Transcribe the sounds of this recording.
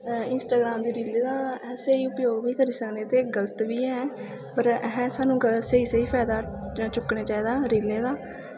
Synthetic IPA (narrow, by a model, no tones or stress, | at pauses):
ɪnsʈaːɡɾaːmd̪iːɾiːleːd̪aːɛːseiːʊpjoːɡʋiːkəɾiːsəkneːt̪eːɡələt̪ʋiːɛː | pəɾɛɦɛ̃ːsaːnũːɡəsəiːsəiːpʰɛːd̪aːt͡ʃʊkːɳeːt͡ʃaːiːd̪aːɾiːleːd̪aː